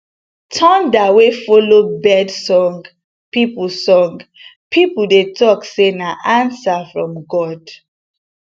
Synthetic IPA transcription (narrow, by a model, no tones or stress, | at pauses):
tʰɔ̃ndawefɔlobɛdsɔ̃ŋɡ | piplsɔ̃ŋɡ | pʰipul̩detʰɔksenaʔãnsafɹɔ̃mɡɔd̥